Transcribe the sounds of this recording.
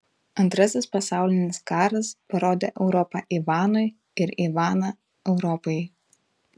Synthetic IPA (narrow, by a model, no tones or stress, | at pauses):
ɐnt̪ɾɐsʲɪspɐsɑˑʊlʲɪnʲɪskɑːɾɐspɐɾoːd̪ʲeːʔɛʊɾɔpɑʔiːʋɑːnʊɪ | ɪɾiːʋɑːnɐ | ɛʊɾɔpɔɪ